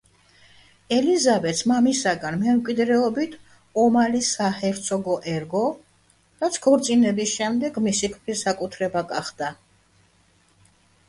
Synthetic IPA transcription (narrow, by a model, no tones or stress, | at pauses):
ɛlizabɛt̪smamisaɡanmɛmkʼwid̪ɾɛɔbit̪ʰ | ɔmalisahɛɾt̪sʰɔɡɔʔɛɾɡɔ | ɾat̪sʰkʰɔɾt̪sʼinɛbisʃɛmd̪ɛɡmisikʰpɾisakʼut̪ʰɾɛbaɡaχd̪̥a